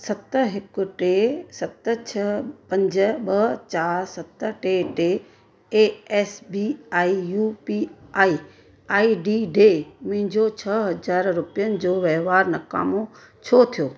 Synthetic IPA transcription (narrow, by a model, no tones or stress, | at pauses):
sɐt̪ɦɪkʊ̆ʈesɐt̪ə̆t͡ɕʰɐpɐ̃ɲd͡ʑə̆ɓɐt͡ɕaːɾsɐt̪ʈeʈe | eːɛːsbiaːijuːpiaːi | aːiɖiɖeːmʊ̃ɦɪ̃ɲd͡ʑot͡ɕʰɐɦɐd͡ʑaːɾɾʊpijənɪ̆d͡ʑoːʋɛɦʋaːɾnɐka̰ːmo | t͡ɕʰot̪ʰijoː